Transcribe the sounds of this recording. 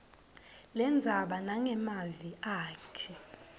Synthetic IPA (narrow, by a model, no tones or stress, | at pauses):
lɛnd͡zʱaɓanaŋɛmaziaːkʰɛ